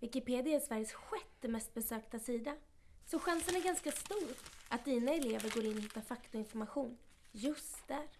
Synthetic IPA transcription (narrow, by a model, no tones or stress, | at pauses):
vɪkɪpeːd̪ɪaːsvæɾjəsɧɛt̪d̪ɛmɛst̪̚bɛsøːkt̪asiːd̪a | sɔɧansənæɾɡanskast̪uːɾʔat̪̚d̪iːnaɛleːvəɾɡoːɾɪnːɔhɪt̪ːafakt̪ʊɪnfɔɾmaɧuːn | jɵst̪̚d̪æːɾ